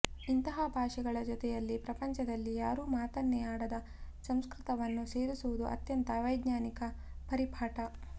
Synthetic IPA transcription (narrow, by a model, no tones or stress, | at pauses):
int̪ɐɦɐbʱaːʂɛɡɐɭɐd͡ʒɔt̪ɛjɐlːipɾɐpɐɲt͡ʃɐd̪ɐlːijaːɾuːmaːt̪ɐnːɛjaːɽɐd̪ɐ | sɐmskɾɪt̪ɐʋɐnːuse̞ːɾisuʋud̪uʔɐ̰t̪jɐnt̪ɐʋɐjɡɲaːnikɐ | pɐɾipʰaːʈɐ